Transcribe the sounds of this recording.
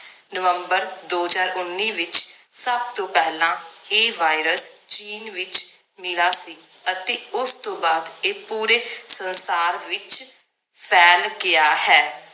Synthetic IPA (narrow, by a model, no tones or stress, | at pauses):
nəʋəmbəɾd̪oːzaːɾʊnːiːʋɪt͡ʃsəb̚t̪õːpɛːlãːeːʋaːɪɾəst͡ʃiːnʋɪt͡ʃ | mɪlaːsiː | ət̪eːʊst̪õːbaːd̪eːpuːɾeːsənsaːɾʋɪt͡ʃ | pʰɛːlɡɪaːhɛː